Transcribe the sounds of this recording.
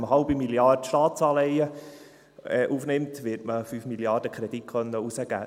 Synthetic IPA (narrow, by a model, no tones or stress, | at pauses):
məɦɑʊbimiljɑrdʃtɑːt̪sɑːlɛɪə | ɛːʔuːfnɪmtʋɪtməfyːfmiljɑːɾd̥əkʰɾɛd̥ikʰχœnːəusəɡ̥æ̰ː